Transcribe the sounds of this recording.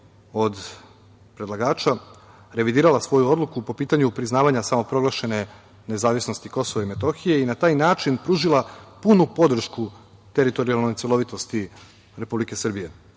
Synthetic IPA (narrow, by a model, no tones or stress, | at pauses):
o̞d̪ | pɾe̞d̪lˠaɡaːt͡ʃa | ɾe̞ʋid̪iːɾalasʋo̞juo̞d̪lˠukupo̞piːt̪aɲupɾiznaːʋaɲasamo̞pɾo̞ɡlˠaʃe̞ne̞ | ne̞zaːʋisno̞st̪iko̞so̞ʋaime̞t̪o̞xije̞inat̪aːjnaːt͡ʃinpɾuːʒilˠapunupo̞d̪r̩ʃku | t̪eɾit̪o̞ɾialno̞jt̪sjelˠo̞ʋit̪o̞st̪i | ɾe̞publike̞srbije̞